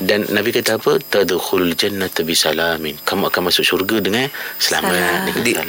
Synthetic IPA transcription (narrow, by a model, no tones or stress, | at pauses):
danːabikat̪aːpət̪ad̪xulald͡ʒanːat̪bisalaminkamuʔakanmasʊk̚surɡədəŋansəla̰mat̪̚dakədiʔ